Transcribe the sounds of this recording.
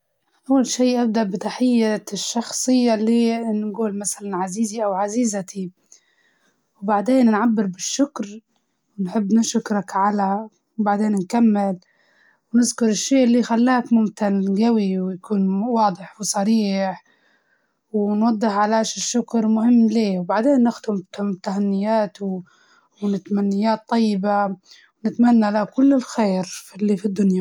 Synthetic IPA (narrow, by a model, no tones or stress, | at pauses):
ʔawːalʃiːʔab̚d̪aʔbɪt̪aħɪjːaʃːɑxsˤɨjːalːiːnnɡuːlmasalanʕaziːziʔawʕaziːzat̪i | wbaʕd̪eːnnʕabːɪɾbɪʃːʊkɾ | wnħɪbːnɪʃʊkɾˤɑkʕala | wbaʕd̪eːnnkamːɪl | wnɪzkʊɾˤɪʃːiːʔlːixalːaːkmʊmt̪ɪnɡawiwjakuːnwɑːd̪ˤɨħwsˤɑɾiːħ | wnwɑd̪ˤːɨħʕalaːʃɪʃːʊkɾmʊhɪmːleːwbaʕd̪eːnːɪxd̪ɪmt̪t̪ːahanːɪjaːt̪w | wnɪt̪manːɪjaːt̪ˤːɑjːɪba | wnɪt̪manːalakʊlːɪlxeːɾfɪlːifid̪ːʊnja